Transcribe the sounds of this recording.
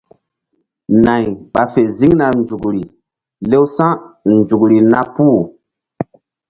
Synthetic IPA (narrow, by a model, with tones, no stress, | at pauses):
na˨ɲɓa˨fe˨zi˦ŋna˨nd͡ʒu˨kɾi˨ | le˦wsã˦nd͡ʒu˨kɾi˨na˦puː˦˨